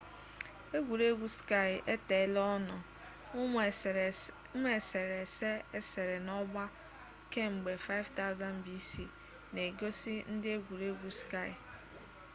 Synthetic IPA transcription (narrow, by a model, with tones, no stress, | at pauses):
e˦ɡʷu˨ɾe˦ɡʷu˦ska˦˨ɪ˨e˦te˨lɔ˦nɔ˨˦ | m˦e˨se˨ɾe˨se˦e˦se˨ɾe˨nɔ˦ɡ͡ba˦ | ke˦ŋ͡m̩˨ɡ͡be˨fa˦ɪ˦vta˦za˦n̩˨˦bi˦si˨ | ne˨ɡo˦si˦n̩˦dɪ˦e˦ɡʷu˨ɾe˦ɡʷu˦ska˦ɪ˨